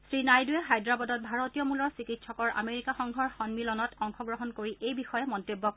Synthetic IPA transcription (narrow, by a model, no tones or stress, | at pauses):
sɹinajduɛxajdɹabɔdɔt̚bʱaɹotijɔmulɔɹsikitsʰɔkɔɹʔa̰meɹikaxɔŋɡʱɔɹxɔnmilɔnɔtɔŋxɔɡɹɔɦɔnkoɹiʔejbixɔjɛmɔntobːɔk